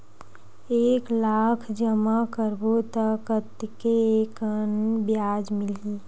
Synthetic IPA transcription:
eklakʰd͡ʒəmakəɾbot̪əkət̪kekənbjad͡ʒmɪli

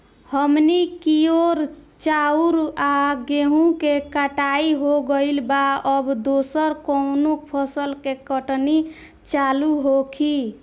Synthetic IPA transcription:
həmnikioɾt͡ʃauɾaɡeɦũkekəʈaiɦoɡəɪlbaəbd̪osəɾkɔnokpʰəsəlkekəʈni | t͡ʃaluɦokʰi

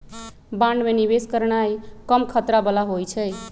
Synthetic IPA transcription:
bãɳɖmenibeskəɾnajkəmkʰət̪ɾabəlaɦojt͡ʃʰəj

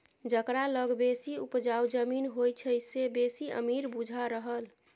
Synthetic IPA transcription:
d͡ʒəkɾaləɡbesiupd͡ʒaud͡ʒəminɦojt͡ʃʰəjsebesiə̰miɾbud͡ʒʱaɾəɦəl

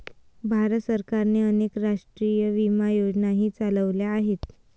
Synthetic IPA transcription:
bʱaɾət̪səɾkaɾneənekɾaʂʈɾijəʋimajod͡znaɦiːt͡saləʋljaːɦet̪

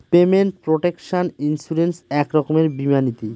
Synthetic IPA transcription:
pemeɳʈ̚pɾoʈekʃaninsuɾensɛkɾɔkomeɾbimanit̪i

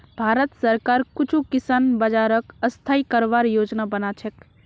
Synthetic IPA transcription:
bʱaɾət̪səɾkaɾkut͡ʃʰukisanbəd͡ʒaɾəkəst̪ʰaikəɾʋaɾjod͡ʒnabənat͡ʃʰek

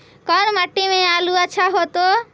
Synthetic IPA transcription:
kɔːnməʈːimẽaːluət͡ʃʰaɦot̪o

